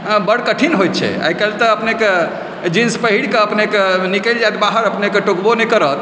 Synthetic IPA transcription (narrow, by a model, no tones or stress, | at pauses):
bəɽkəʈʰinɦojt̪̚t͡ʃʰɛ̰a̰jkəlt̪əəpneke | d͡ʒinspəɦiɽkeəpnekenikəld͡ʒajt̪baɦəɾəpnekeʈokbonɛjkəɾət̪